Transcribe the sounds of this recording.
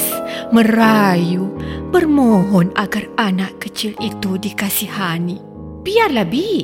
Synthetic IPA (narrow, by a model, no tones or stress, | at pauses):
məɾajubərmõɦɔnaɡaranaʔkət͡ʃilit̪udikasihani | b̥iarlabi